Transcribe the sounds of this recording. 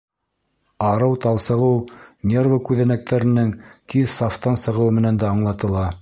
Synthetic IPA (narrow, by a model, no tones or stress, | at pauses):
ɑɾɤwt̪ɑlˠsɤ̆ʁɤwnʲervəkʉðænæk̚t̪ʰæɾɘ̆nɘŋt̪ʰiðsɑft̪ɑnsɤ̆ʁɤ̆wmɘ̆nænd̪æɑɴlˠɑt̪ɤ̆lˠɑ